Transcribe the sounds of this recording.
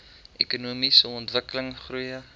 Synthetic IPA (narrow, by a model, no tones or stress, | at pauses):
ʔekunuːmisəɔntvəkələŋχrujə